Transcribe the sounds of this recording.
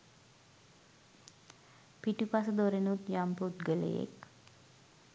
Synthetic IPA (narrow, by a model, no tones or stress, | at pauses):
piʈipasəd̪oɾenut̪jamput̪ɡəlḛjḛk